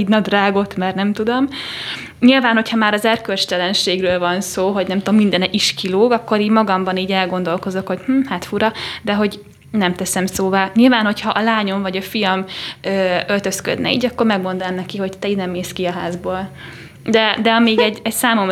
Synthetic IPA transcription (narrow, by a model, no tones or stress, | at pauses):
iːdnɒd̪raːɡo̞t̪mɛrnɛmt̪ud̪o̞m | ɲilvaːnho̞cʰhɒmaːɾɒzɛrkølt͡ʃt̪ɛlɛnʃeːɡrøːlvɒnsoːɦo̞ɟnɛmt̪omːind̪ɛnɛʔiʃkiloːɡɒkːo̞ɾiːɟmɒɡɒmbɒniːɟɛlɡo̞nd̪o̞lko̞zo̞kho̞ɟ̥mm̩ːhaːt̪fuɾɒd̪ɛɦo̞ɟ | nɛmt̪ɛsɛmsoːvaːɲilvaːnho̞cʰhɒʔɒlaːɲo̞ɱvɒɟɒfijɒmøːølt̪ø̞skø̰d̪nɛ̰ḭːɟɒkːo̞rmɛɡmo̞nd̪olɛmnɛkiho̞ɟt̪ɛiːd̪nɛmːeːskiɒɦaːzboːl | d̪ɛd̪ɛɒmeːɡɛɟɛcsaːmo̞m